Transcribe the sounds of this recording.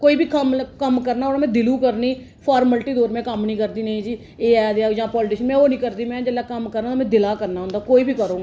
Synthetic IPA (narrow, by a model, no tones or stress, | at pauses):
koːiːbiːkəmkəmkəɾnaːoːɽnaːmɛ̃ːd̪ɪlũːkəɾniː | pʰɔːɾməlʈiːd̪oːɾmɛ̃ːkəmnĩːkəɾd̪iːnəĩːd͡ʒiː | eːɛːd̪aːd͡ʒãːpɔːlʈɪʃənmɛ̃ːoːnĩːkəɾd̪iːmɛ̃ːd͡ʒəlːaːkəmkəɾnaːmɛ̃ːd̪ɪlaːkəɾnaːɦʊ̃ːnd̪aːkoːiːbiːkəɾõːɡ